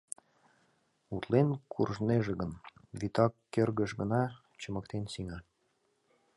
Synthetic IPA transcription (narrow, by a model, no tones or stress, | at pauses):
ut̪lenkʰurʒneʒĕɣənβit̪ɑkːerɣə̆ʃɡə̰nɑ | t͡ɕɤ̆mɤ̆k̚t̪ensiŋɑ